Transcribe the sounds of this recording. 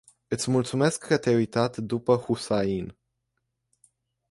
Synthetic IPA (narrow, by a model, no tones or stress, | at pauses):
ɨt̪sʲmult̪sume̞skːət̪ʲaujt̪at̪d̪upəhusain